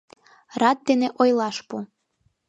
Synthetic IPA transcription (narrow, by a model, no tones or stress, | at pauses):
rɑt̪̚d̪eneʔojlɑʃpu